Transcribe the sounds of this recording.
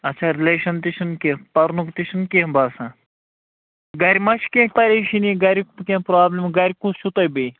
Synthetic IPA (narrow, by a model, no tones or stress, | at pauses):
ɐt̪ːt͡ʃʰʃʰaːɾileːʃɐnt̪iʃʰinkepɐɾnukt̪iʃʰunkebaːsãː | ɡɐɾʲimɐʃkẽːpɐɾʲeʃiniɡɐɾʲikkʲẽːpɾaːblʲimɡɐɾʲikusʃʰut̪ɐjbej